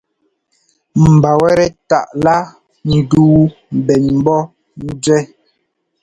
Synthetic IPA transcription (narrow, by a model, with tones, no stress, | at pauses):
m̩˨ba˨wɛ˦ɾɛ˦ta˨ʔla˦ | n̩˨duː˦m˨bɛ˨nm˦bɔ˦ | n̩˦d͡zɥɛ˦